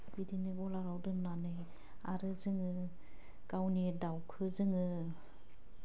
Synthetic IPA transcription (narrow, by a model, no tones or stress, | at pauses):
bidinɯɡɔlaɾawdɯnnanɯj | aɾɯzɯŋɯ | ɡ̥awnidawkʰɯzɯŋɯ